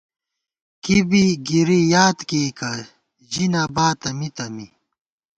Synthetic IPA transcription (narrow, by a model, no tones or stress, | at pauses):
kibiɡiɾijaːt̪keːkɐ | ʑinaːbaːt̪ɐmit̪ɐmi